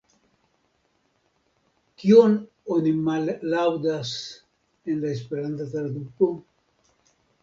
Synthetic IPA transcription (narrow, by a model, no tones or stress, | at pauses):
kion | onimalːawd̪as | enlaes̬peɾanθad̪elad̪upo